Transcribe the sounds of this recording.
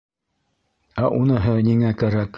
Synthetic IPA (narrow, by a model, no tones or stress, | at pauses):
æʔunɤ̆ɦɤniŋækæɾæk